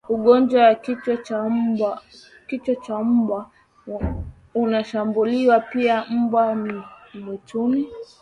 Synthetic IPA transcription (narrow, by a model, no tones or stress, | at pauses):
uɠɔnd͡ʒwawakit͡ʃt͡ʃa | kit͡ʃɔt͡ʃam̩ba | unaʃambuliwapiam̩bwanimɛtuni